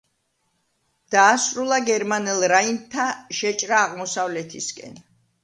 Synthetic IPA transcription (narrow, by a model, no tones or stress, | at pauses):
d̪̥aːsɾulˠaɡɛɾmanɛlˠɾaint̪ʰːaʃɛt͡ʃʼɾaːʁmɔsavlɛt̪ʰiskʼɛ̰n